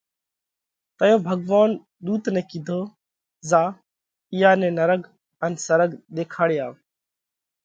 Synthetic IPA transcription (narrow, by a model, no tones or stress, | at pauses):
t̪əjõːbʱəɡʋaːn | ɗ̪uːt̪nɛ̃ːkɪd̪ʱoː | zaː | ɪjaːnẽːnəɾəɡ | ənsəɾəɡɗ̪eːkʰaːɽɪjaː